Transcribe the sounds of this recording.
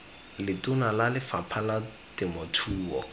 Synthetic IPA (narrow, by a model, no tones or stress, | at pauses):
lɪtʼʊnalalɪfapʰala | tɪmɔtʰuːɔ̰